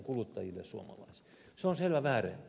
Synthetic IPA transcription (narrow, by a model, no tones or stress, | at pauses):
ŋkulut̪ːɑjilːessuo̰mɑ̰lɑ̰isi̥ | seonselʋæʋæːrḛn